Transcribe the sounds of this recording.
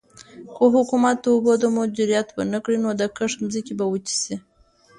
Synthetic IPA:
koɦʊkumat̪̚d̪əubod̪əmʊd͡ʒiɾijat̪bənəkɽinod̪əkəʂmzikebawət͡ʃi̥si

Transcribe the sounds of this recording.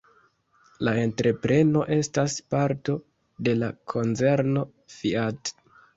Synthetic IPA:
lae̞ntɾʔe̞pɾe̞no̞ʔe̞staspaɾto̞ | de̞lakʰo̞nt͡se̞ɾno̞ | fiat

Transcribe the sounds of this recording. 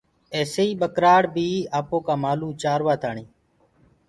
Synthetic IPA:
eːseːiːɓəkɾaːɽbʱiːaːpoːkaːmaːluːt͡ʃaːɾʋaːt̪ʰaːɳiː

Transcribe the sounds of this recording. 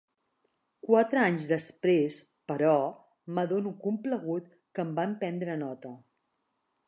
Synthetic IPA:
kwat̪ɾəaɲzðəspɾes | pəɾɔ | məðonukumpləɣut̪ | kəmbampɛnd̪ɾənɔt̪ə

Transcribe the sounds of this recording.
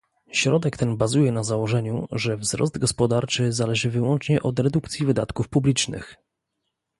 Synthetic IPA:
ɕɾɔd̪ɛkt̪ɛnbazujɛnazawɔʐɛɲṵʐɛvzɾɔ̰sd̪ɡɔspɔd̪aɾt͡ʂɘzalɛʐɘvɘwɔnt͡ʂɲɛʔɔd̪ɾɛd̪ukt̪sʲjivɘd̪a̰t̪kufpublʲit͡ʂnɘ̰x

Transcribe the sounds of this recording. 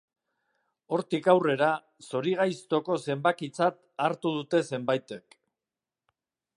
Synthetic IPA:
o̞ɾt̪ikawre̞ɾa | so̞ɾiɣ̞ajst̪o̞ko̞se̞mbakit͡sat̪ | aɾt̪uð̞ut̪e̞se̞mbajt̪e̞k

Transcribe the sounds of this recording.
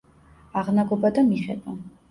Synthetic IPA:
aʁnaɡɔbad̪amiχɛba

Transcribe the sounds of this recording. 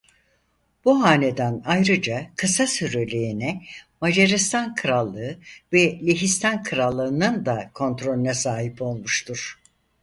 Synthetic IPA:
b̥uɦaːned̪ænajɾɯd͡ʒakʰɯsasyɾelʲeinɛmad͡ʒeɾist̪ʰankʰɯɾalˠːɯɯvɛlʲeɦist̪ʰankʰɯɾalˠːɯːnɯnd̪akʰo̞nt̪ɾo̞lʲynasaːɦipo̞lˠmuʃt̪ʰuɾ̥

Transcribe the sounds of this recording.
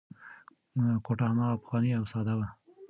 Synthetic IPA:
koʈahamɑapə̥xwɑniawsɑd̪awa

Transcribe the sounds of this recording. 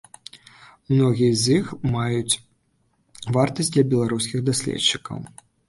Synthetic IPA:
mnɔɣʲijɐzʲixmajut͡sʲ | vart̪ɐsʲtʲd̪lʲɐbʲɛlˠaɾuskʲiɣd̪asʲlʲɛ̰tt͡ʂːikɐ̰w

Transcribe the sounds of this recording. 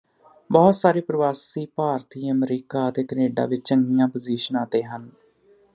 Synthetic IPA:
bɔːt̪saːɾeːpɾəʋaːsiːpaːɾt̪ʰiːəmɾiːkaːət̪eːkəneːɖa̰ːʋɪt͡ʃt͡ʃəŋɡɪjãːpəziːʃənaːt̪eːɦən

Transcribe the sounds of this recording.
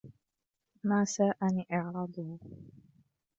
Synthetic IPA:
maːsaːʔaniːʔɑʕɾˤɑd̪ˤʊh

